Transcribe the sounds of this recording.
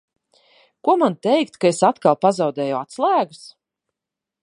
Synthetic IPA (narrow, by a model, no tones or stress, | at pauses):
kuɔmant̪ɛjkt̪kaesat̪kalˠpazɑwd̪ɛːjɔat̪slˠæːɡu̥s